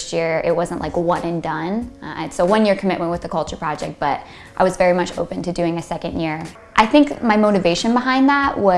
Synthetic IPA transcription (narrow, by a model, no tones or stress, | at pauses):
st̚jɪɹɪ̰t̚wʌzə̃n̩ʔlʔaɪkwʌ̃nɨ̃ndʌ̃nɪtsoʊwʌ̃njɪɹkʰəmɪʔ̚mə̃nʔwɨðɨkʰʌlˠt͡ʃə˞pʰɹ̥ɑd͡ʒɛk̚t̚b̥ʌɾ | ʔaɪwʌzvɛɹimʌt͡ʃo̰ʊpɨ̃ntʰɨdʉɪ̃ŋɨsɛkɨ̃ndjɪɹ | ʔaɪθɪ̃ŋkmaɪmoʊɾɨveɪʃɨ̃nbəɦãɪ̃nðæʔwʌ